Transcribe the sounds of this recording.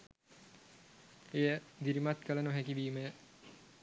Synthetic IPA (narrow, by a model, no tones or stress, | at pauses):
ejəd̪iɾimat̪kələnuɦækiʋiːməjə